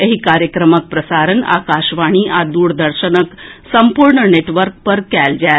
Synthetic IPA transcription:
eɦiːkaɾjəkɾəmək̚pɾəsaɾəna̰kaɕʋaɽ̃iːʔad̪uːɽd̪əɾɕənəksəmpuɾɳəneʈʋəɾk̚pəɾkæld͡ʑa

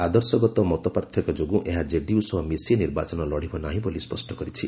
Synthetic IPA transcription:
ad̪ɔɾsɔɡɔt̪ɔmɔt̪ɔpaɾt̪ʰjɔkɔd͡ʒoɡũʔeɦad͡ʒeɖiusɔɦɔmiseniɾbat͡ʃɔnɔlɔɽ̤ibɔnaɦĩbolispɔsʈɔkɔɾit͡ʃʰi

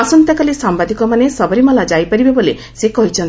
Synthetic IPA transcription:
asɔnt̪jakalisambad̪ʱikɔmanesɔbɔɾimɔlad͡ʒajpaɾibebole | sekɔɦit͡ʃʰɔnt̪

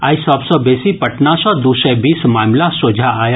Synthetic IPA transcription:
aːisɔbsɔbeːsipɐʈnasɔ̃d̪usɛbiːsmaːmlasoːd͡ʒʱaaːja

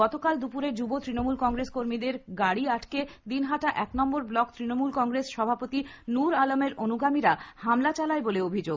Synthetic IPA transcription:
ɔt̪okald̪upuɾed͡ʑubot̪ɾinomulkɔŋɡɾeskoɾmid̪eɾɡaɽiaʈʰked̪inɦaʈaʔɛknɔmboɾblɔkt̪ɾinomulkɔŋɡɾesʃɔbʱapot̪i | nuɾalomeɾʔonuɡamiɾahamlat͡ɕalaeboleobʱid͡ʑo

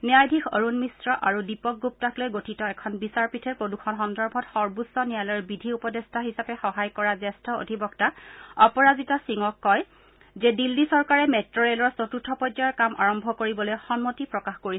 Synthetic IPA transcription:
niajdʱikʰo̰ɹunmisɹɔʔaɹudipɔk̚ɡup̚taklojɡotʰitɔɛkʰɔnbisaɹpitʰɛpɹodukʰɔnxɔndɔɹbʱɔtxɔɹbusːɔnijalɔɹbidʱiupɔdestʰaɦisapɛxɔɦajkɔɹazɛstɔo̰dʱibɔktaɔpɔɹazitɔsiŋɔkːɔj | zɛdilːisɔɹkaɹɛmɛtɹɔɹelɔɹsotutʰːɔpɔd͡ʒaɹkamʔa̰ɹɔmbʱɔkoɹibɔlojxɔnmotipɹɔkaxkoɹisɛ

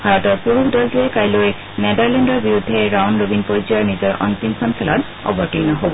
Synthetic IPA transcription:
bʱaɹɔtɔɹpuɹukdɔlduɛkajloj | nɛdaɹlɛndɔɹbiɹudʱːɛɹawnɹobinpojzijaɹnizɔɹʔɔ̰ntinkʰɔnsʰɛla̰t | ɔ̰bɔɹtinaɦobɔ

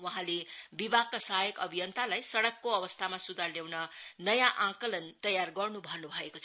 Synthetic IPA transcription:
wʌɦãlebibʱakkasaɦjʌkʌbʱijʌnt̪alajsʌɽʌkːoʌbʌst̪ʰamasud̪ʱarljawnʌnʌjãʔãkʌlʌnt̪ʌjarɡʌrnubʱʌnubʱʌekot͡sʰ

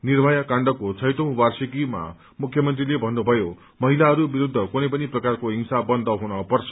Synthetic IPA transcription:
nirbʱajakaɳɖʌkot͡sʰʌjʈ̪ʌ̃w̃barsikima̰ | mukʰjʌmʌnt̪rilebʱʌnːubʱʌjo | mʌɦilaɦʌɾubiɾud̪ʱːʌkunʌjpʌniprʌkarkoɦiŋsabʌnd̪ʱʌɦunʌpʌrt͡sʰʌ̥

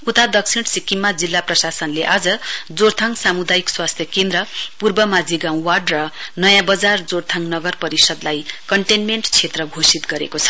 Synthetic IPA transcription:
ut̪ad̪ʌksʰiɽ̃sikːimːad͡zilːaprʌsasʌnleʔad͡zʌd͡zoɽt̪ʰaŋsamud̪ajikswast̪ʰjʌkend̪ɾʌpurbʌmad͡ziɡãw̃warɖrʌnʌjãbʌd͡zard͡zoɽt̪ʰaŋnʌɡʌrpʌɾisʌd̪lajkʌɳʈenmeɳʈt͡sʰet̪rʌɡʱosit̪ɡʌɾḛkot͡sʰʌ̥

